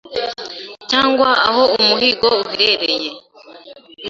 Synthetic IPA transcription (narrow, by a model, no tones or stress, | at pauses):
caːŋɡwaːho̞umuhiɡouβiɾeɾeje